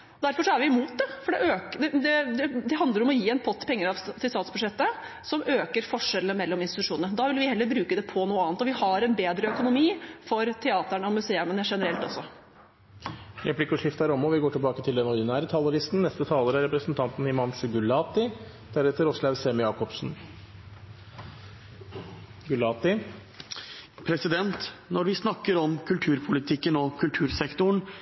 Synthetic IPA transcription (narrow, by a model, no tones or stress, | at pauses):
ɔd̪æɾfɔʂɔæɾʋɪmuːt̪̚d̪ɛfɔɖɛʔøːkd̪ɛd̪ɛd̪ɛd̪ɛɦɑnd̪ləɾɔmɔjiːɛnpʰɔt̪ʰːpʰɛŋːəɾɑʋt̪ɪlst̪ɑːt̪sbʉd̪ʂɛt̪ːə | sɔmøːkəɾfɔʂɛləəmɛlːɔmɪnst̪ɪt̪ʉ̥ʂuːnnəd̪ɑːʋɪlʋɪhɛlːəɾbɾʉːkəd̪ɛpʰɔnuːəɑːnt̪ɔʋɪhɑɾɛnbeːd̪ɾəœkʊnʊmiːfɔɾt̪ʰɛɑːt̪əɳəɔmʉseːʉmənəʂɛnəɾɛlt̪ɔsːɔ | ɾɛplɪkːəʂɪft̪æɾɔmːɔʋɪɡoːʈʰɪlbɑːkət̪ʰɪld̪ɛnɔɾd̪ɪnæːɾət̪ʰɑlːɔɾɪst̪n̩nɛst̪ət̪ʰɑːləɾæɾɛpɾəsnt̪ʰɑnt̪nɪmɑnʂʉɡʉlɑːt̪ɪ | d̪̥ʰæɾɛt̪əɾɔslɑʋseːməjɑːkɔpsn̩ | ɡʉlɑːt̪ɪ | pʰɾɛsɪd̪ɛnt̪nɔɾʋɪsnɑkːəɾɔmkʰʉlt̪ʰʉːɾpʰʊlɪt̪ʰɪkːənɔkʰʉlt̪ʰʉːɾsɛkt̪ʊɳ